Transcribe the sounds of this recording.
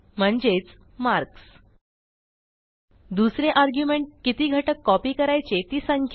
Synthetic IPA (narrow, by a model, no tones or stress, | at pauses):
m̤əɳd͡ʑet͡s | maɾks | d̪usɾeʔaɾɡjumeɳʈ̚kit̪iːɡʱəʈəkːɔpiːkəɾajt͡ɕet̪iːsaŋkʰ